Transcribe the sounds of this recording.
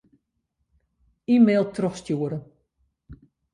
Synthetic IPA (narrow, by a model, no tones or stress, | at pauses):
iːmeːlˠtrɔxstjuəɾə